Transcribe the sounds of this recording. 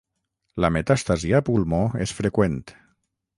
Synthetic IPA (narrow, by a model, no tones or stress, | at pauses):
lamet̪ast̪aziapulmoesfɾekwent̪